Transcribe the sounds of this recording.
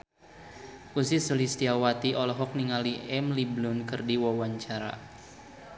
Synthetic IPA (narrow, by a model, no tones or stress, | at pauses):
ʔusisulist̪iawat̪iʔɔlɔɦɔk̚niŋaliʔɛmliblʊnkɨrdiwawaɲt͡ʃaɾa̰